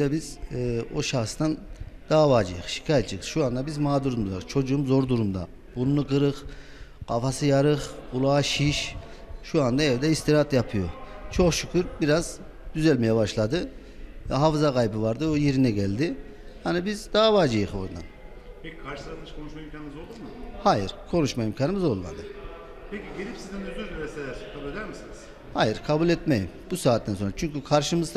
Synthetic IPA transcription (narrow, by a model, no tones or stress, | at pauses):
d̪ɛbizːo̞ʃaxsd̪and̪̥aːvaːd͡ʒɯ̰jɯχʃi̥cʰaːjɛt̪t͡ʃijʃuand̪abizmaːd̪uɾmuzvat͡ʃʰo̞d͡ʒuumzo̞ɾd̪uɾumd̪a̰ | bunːɯɡɯɾɯχ | qʰafasɯjaɾɯχulˠaːʃiʃʃuand̪aɛvd̪ɛist̪ʰiɾat̪japʰɯjo̞̰t͡ʃʰo̞χʃycʰyɾbiɾaz | d̪yzɛlʲmejɛbaʃlˠad̪ɯ | ɦafzakʰajbɯvaɾd̪ɯojeɾinɛɟælʲd̪ɪ | hanibizd̪aavaːd͡ʒɯjɯxo̞̰ɾd̪a̰n | pʰecʰikʰaɾʃɯslat̪ˠmɯʃkʰonuʃmaimcʰaːnɯmɯzo̞lˠd̪umɯhajiɾkʰo̞nuʃmaimcʰaːnɯmɯzo̞lˠma̰d̪ɯ | peciɟelʲipsizd̪ɛnyɾd̪yɾd̪ymɛselʲaskʰabulʲe̞d̪æɾmisiniz̥ | hajiɾkʰabulʲɛt̪mejimbusaːt̪ʰːænso̞nɾat͡ʃʰyɲcykʰaɾʃɯmɯzd̪